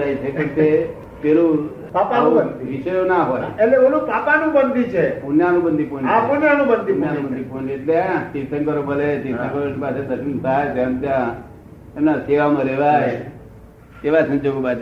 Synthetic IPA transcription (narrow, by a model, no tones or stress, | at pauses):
ait͡ʃʰeket̪e | p̪elũ | papanũənd̪iʋiʃəjonaɦojeleonũpapanũbənd̪ʱit͡ʃʰepunjanũbənd̪ʱiponapunjanũbənd̪ʱinjanũbənd̪ʱiponeʈleat͡ʃ̪iʋsəŋkəɾobəlet̪iʋsəŋkəɾonipased̪əʃint̪ajt̪jãt̪jã | emnaseʋamãɾeʋaj | k̪eʋasə̃ɲd͡ʒoɡobat͡ʃ